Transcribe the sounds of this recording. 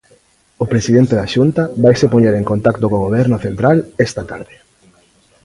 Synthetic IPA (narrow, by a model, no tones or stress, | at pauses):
ʊpɾesiðent̪eðaʃunt̪aβajsepoɲeɾeŋkont̪akt̪okoɣoβ̞ɛɾnʊθent̪ɾalest̪at̪a̰ɾðe